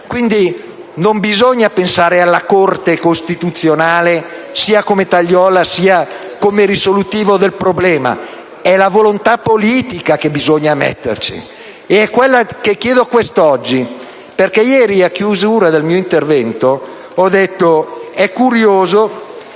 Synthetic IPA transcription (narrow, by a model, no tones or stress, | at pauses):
kwind̪i | nombizoɲːapensaːɾealːakort̪ekost̪it̪ut̪sːjonaːlesiːakomet̪aʎːɔːlasiːa | komeɾisolut̪iːvod̪elpɾoblɛːma̰ | ɛlavolont̪apːoliːt̪ikakebizoɲːamɛ̰t̪ːḛrt͡ʃḭ | eɛkːwelːakekjɛːd̪okwest̪ɔd͡ʒːi | perkɛjɛːɾiakːjuzuːɾad̪elmiːoint̪ervɛnt̪o | ɔd̪et̪ːoɛkːuɾjoːzo